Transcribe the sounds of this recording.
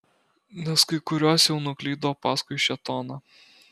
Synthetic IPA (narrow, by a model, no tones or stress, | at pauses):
nʲɛskɐɪkʊɾʲoːsjɛʊnʊklʲiːd̪oːpɑːskʊɪʃʲɛt̪oːnɑ